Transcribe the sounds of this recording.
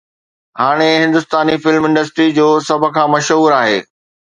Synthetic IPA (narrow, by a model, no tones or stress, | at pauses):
haːɽ̃eɦɪ̃nd̪ʊst̪aːnifɪlmɪ̃nɳɖəsʈɾid͡ʑoːsɐbʱə̆kʰãːmɐʃɦuːɾaːɦḛː